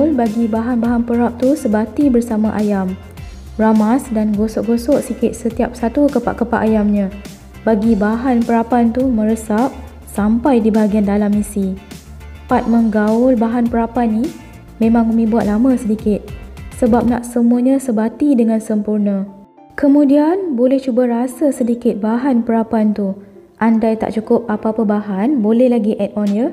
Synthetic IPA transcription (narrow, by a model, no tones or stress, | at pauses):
lbaɡibaɦanbaɦanpəɾap̚t̪usəbat̪ibərsamãʔajam | ramasdanɡosɔʔɡosɔʔsikɪt̪̚sət̪iap̚sat̪ukəpa̰ʔkəpa̰ʔajamɲã | baɡibaɦanpəɾapant̪umə̃ɾəsap̚ | sampajdibaɦaɡiandalamisi | pat̪̚məŋɡaʊlbaɦanpəɾapani | mẽmãŋəmĩbuat̪̚lamə̃sədikɪt̪̚səbap̚na̰ʔsəmũaɲãsəbat̪idəŋãnsəmpurnə̃ | kəmũdianbolɛht͡ʃubaɾasasədikɪt̪̚baɦanpəɾapant̪u | ʔandajt̪a̰ʔt͡ʃukʊp̚apapəbaɦanbolɛhlaɡiʔɛtɔnjə